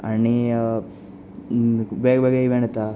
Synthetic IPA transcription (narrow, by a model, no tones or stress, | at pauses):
ɐ̰ɳːi | beːɡbeɡeiʋeɳɐt̪ːa